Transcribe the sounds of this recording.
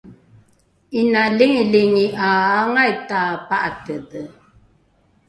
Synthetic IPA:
inaliŋiliŋiʔaːŋajtapaʔatədə

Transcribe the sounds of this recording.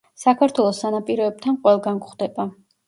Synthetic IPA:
sakʰaɾt̪ʰwɛlˠɔsanapʼiɾɔɛb̚t̪ʰanqʼwɛlˠɡankχd̪ɛba

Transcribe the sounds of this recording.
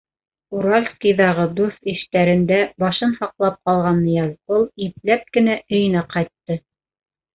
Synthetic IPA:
uɾalʲfskijðɑʁɤd̪uθiʃt̪æɾɘ̆nd̪æbɑʃɤnhɑqlˠɑp̚qɑlˠʁɑnːɤjɑzbɤlˠip̚læp̚kɘ̆næʔɵ̆jɘ̆næqɑjt̪ːɤ

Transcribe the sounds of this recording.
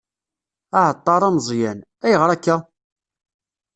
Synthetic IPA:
aʕət̪ˤːɑɾˤɑmzˤjæn | æjəʁɾˤækːæ

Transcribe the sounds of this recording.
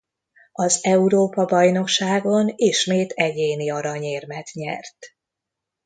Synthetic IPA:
ɒzɛuɾoːpɒbɒjno̞kʃaːɡo̞niʃmeːt̪ʰɛɟeːniɒɾɒɲeːrmɛt̪ɲɛ̰rt̪

